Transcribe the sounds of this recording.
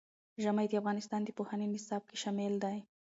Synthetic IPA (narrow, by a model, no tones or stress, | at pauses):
ʒamajd̪əafɣɑnɪst̪ɑnd̪əpohanənɪsɑb̚keʃɑmɪld̪aj